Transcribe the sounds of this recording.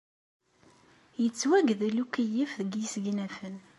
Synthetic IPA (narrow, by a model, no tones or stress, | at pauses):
jət͡sːwæɡðlukijifðəɡjisɡnæfən